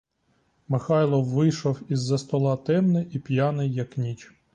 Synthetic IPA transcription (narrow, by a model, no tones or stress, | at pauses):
mɪxɑjlˠɔwːɪjʃɔwizːɐst̪ɔlˠɑt̪ɛmnɛʔipʲjɑnɪjːɐknʲit͡ʃ